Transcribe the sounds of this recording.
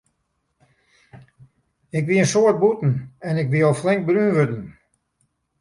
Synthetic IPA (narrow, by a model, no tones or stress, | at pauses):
ɪkʋiənsoət̚butn̩ɛnɪkʋiɔlˠflɪŋk̚brynʋøtn̩